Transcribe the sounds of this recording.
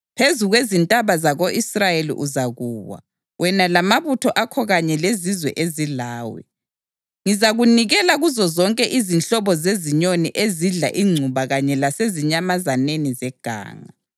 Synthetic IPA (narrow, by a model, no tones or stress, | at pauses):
pʰezuɣwezintʼaβazaɣoʔisrajelḭʔuzaɣuːwa̰ | wʔɛnalamaβutʰɔʔakʰɔɣaɲɛlezizwɛ̰ʔezilaːwɛ̰ | ŋizaɣuniɣɛlaɣuzɔzɔŋkʼɛʔizinɬɔβɔzeziɲonḭʔeziɮa̰ʔiŋ͡ǀʱuβaɣaɲɛlaseziɲamazanenizɛɡ̥ʱa̰ːŋa